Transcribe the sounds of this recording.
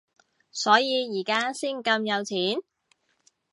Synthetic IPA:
sɔː˨˥jiː˨˧jiː˨˩kaː˥siː˥˩nkɐ˧mjɐ˨˧wt͡sʰiː˨˥n

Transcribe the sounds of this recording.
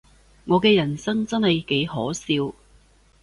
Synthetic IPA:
ŋɔː˨˧kɛː˧jɐ˨˩nsɐ˥ŋt͡sɐ˥nhɐ˨jke˨˥jhɔː˨˥siː˧w

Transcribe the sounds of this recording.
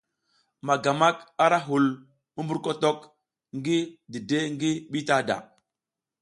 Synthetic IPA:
ma˨ɡa˨ma˦ka˦ɾa˦ɦu˨l | mu˦mbu˦ɾko˦to˦k | ŋɡi˦di˨de˦ŋɡi˦ɓi˦ta˦da̰˨

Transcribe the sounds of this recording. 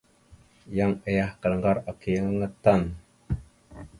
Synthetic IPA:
jaŋə˨jahkə˨lŋɡa˦ɾa˨ki˨jə˦ŋəŋət̪a˦n

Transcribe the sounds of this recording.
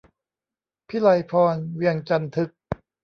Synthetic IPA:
pʰiː˦˥˩la˧jpʰɔː˧nwi˧əŋt͡ɕa˧nt̪ʰɯ˦˥k̚

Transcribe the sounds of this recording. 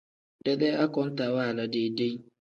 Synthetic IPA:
dɛ˦dɛ˦ʔa˦kɔ˦n˦ta˨wa˦˨la˦de˦de˦

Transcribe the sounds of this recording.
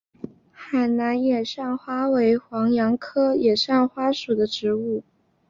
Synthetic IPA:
xa˨˩ɪna˧˥njɛ˨˩ʂɑ˥˩ŋxwa˥we˧˥ɪxwɑ˧˥ŋjɑ˧˥ŋkʰɤ˥jɛ˨˩ʂɑ˥˩ŋxwa˥ʂu˨˩d̪ə˦ʈ͡ʂɻ̩˧˥u˥˩

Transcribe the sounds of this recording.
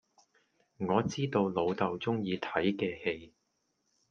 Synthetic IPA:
ŋɔː˨˧t͡siː˥t̪o˧wlo˨˧wt̪ɐ˨˧wt͡sʊ˥ŋjiː˨˧t̪ʰɐ˨˥jkɛː˧he˧j

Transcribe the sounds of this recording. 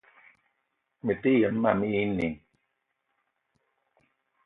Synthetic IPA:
me˨t̪i˦jə˨n̩ː˦a˨mi˦i˦ni˨ŋ

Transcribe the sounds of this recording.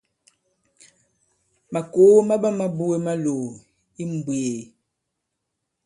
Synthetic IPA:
ma˨ko˨˦ma˦ba˦ma˦bu˦e˦ma˦lo˨ | i˦m˨bwe˨

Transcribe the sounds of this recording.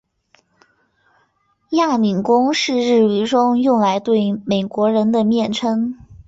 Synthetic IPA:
ja˥˩mi˨˩nkʊ˥ŋʂɻ̩˥˧ɻɻ̩˥˩y˧˥ʈ͡ʂʊ˥ŋjʊ˥˩ŋla˧˥ɪt̪we˥˩ɪme˨˩ɪkwɔ˧˥ɻə˧˥nd̪ə˧mjɛ˥˩nʈ͡ʂʰɤ˥ŋ

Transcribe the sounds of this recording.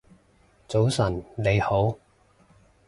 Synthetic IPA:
t͡so˨˥wsɐ˨˩nle˨˧jho˨˥w

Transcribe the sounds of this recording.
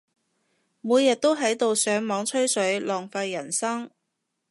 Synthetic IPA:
muː˨˧jːɐ˨t̚t̪o˥wɦɐ˨˥jt̪o˨wsœː˨˥ŋmɔː˨˥ŋt͡ʃʰɵ˥ɥsɵ˨˥ɥlɔː˨˩ŋfaː˧jːɐ˨˩nsɐ˥ŋ

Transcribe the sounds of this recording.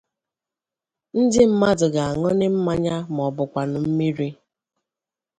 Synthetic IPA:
n̩˦dɪ˦m̩˦ma˦dʊ˨ɡa˨a˨ŋɔ˦nɪ˦m̩˦ma˦ɲa˦m˨ɔ˨bʊ˨kʷa˨nʊ˨m̩˦mi˦ɾi˦

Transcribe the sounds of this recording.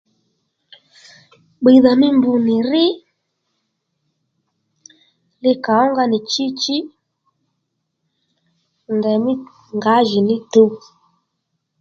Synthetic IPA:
ɓi˨ða˨mi˦mbu˨ni˨ɾi˦ | li˦ka˨ɔ˦ŋɡa˦ni˨t͡ʃi˦t͡ʃi˦ | ndɛ˨mi˦ | ŋɡa˨˦ʒi˨ni˦tu˦

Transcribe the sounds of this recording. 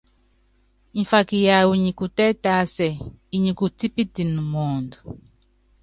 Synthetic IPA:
i˨fa˨ki˨ja˨wu˨ɲi˨ku˨tɛ˦ta˦sɛ˨ | i˨ɲi˨ku˨ti˦pi˦ti˨nu˨mɔː˨ndu˨

